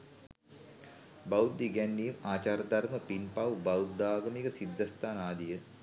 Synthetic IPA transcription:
bawd̪ːiɡɛnːiːmaːt͡ʃaːɾəd̪ɐrməpinpɐwbɐwud̪aːɡəmikəsid̪ʱːɐst̪aːnaːd̪ijə

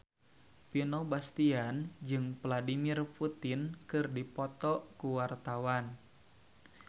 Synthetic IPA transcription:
pinɔbast̪iand͡ʒɨŋpladimirput̪inkɨrdipɔt̪ɔʔkuwart̪awan

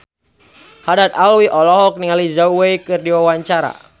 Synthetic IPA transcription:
hadat̪̚alwiʔɔlɔɦɔk̚niŋalizawwejkɨrdiwawaɲt͡ʃaɾa̰

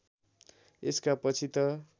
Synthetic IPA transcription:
eskapʌt͡sʰit̪ʌ

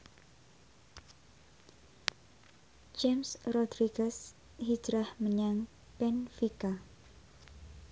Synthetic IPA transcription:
d͡ʒɛmsrɔd̪ɾiɡəs | hi̥d͡ʒ̥ɾahməɲaŋ | pɛnfika

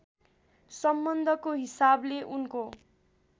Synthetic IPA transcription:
sʌmbʌnd̪ʱʌkoɦisableʔunko

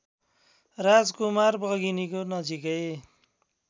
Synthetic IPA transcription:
rad͡zkumarbʌɡinikonʌd͡zikʌj

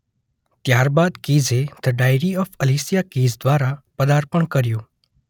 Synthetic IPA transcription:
t̪jaɾbad̪kiːzed̪̥əɖajɾiɔːfəlisijakiːzd̪ʋaːɾapəd̪aɾpəɳkəɾjoː

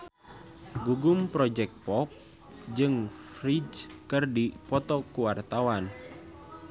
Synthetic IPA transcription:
ɡuɡumpɾɔd͡ʒɛk̪̚pɔk̚ | d͡ʒɨŋfɾid͡ʒkɨrdipɔt̪ɔkuwart̪awan

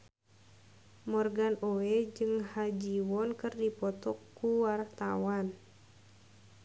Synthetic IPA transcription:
mɔrɡanoɛd͡ʒɨŋhad͡ʒiwɔnkɨrdipɔt̪ɔkːuwart̪a̰wan

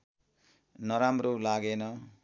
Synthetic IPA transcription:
nʌɾamrolaɡenʌ

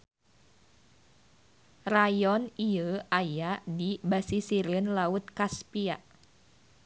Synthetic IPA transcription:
rajɔniəajadibasisiɾənlaut̪̚kaspiaʔ

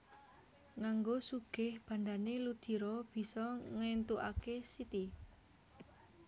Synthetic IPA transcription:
ŋaŋɡosuɡ̥ɪ̤hb̥ä̤nd̪anelud̪̥i̤ɾɔb̥i̤sɔŋent̪uʔakesit̪i

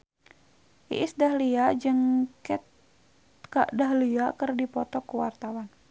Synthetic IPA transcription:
ʔḭʔisdaɦliad͡ʒəŋkɛt̪ | ka̰ʔdaɦliakərdipɔt̪ɔkuwart̪awan

